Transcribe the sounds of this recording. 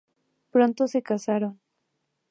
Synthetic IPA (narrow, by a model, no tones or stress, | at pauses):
pɾo̞nt̪o̞se̞kasaɾon